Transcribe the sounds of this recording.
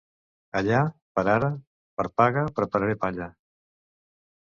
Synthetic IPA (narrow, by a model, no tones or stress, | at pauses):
aʎapəɾaɾə | pəɾpaɣəpɾəpaɾaɾepaʎa